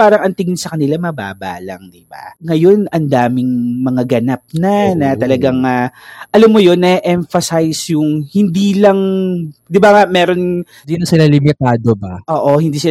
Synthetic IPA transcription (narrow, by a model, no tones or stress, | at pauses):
paːɾɐŋʔɐnt̪ɪŋɪnsɐkɐnɪlamɐba̰ːba̰ːlɐ̰ŋd̪ɪba̰ŋɐjo̞nɐnd̪aːmɪŋmɐŋaɡɐnap̚nɐnɐt̪ɐlɐɡaŋaʔɐlɐmːojo̞nːɐʔɛmfɐsajsjʊŋhɪnd̪iːlɐŋd̪ɪbaŋamɛːɾo̞n | d̪inɐsɪlalɪmɪt̪aːd̪obaʔoːʔo̞hɪnd̪iːsɪ